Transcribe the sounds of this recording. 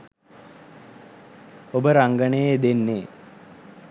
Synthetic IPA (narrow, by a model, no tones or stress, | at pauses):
obəɾaŋɡənejed̪enːeː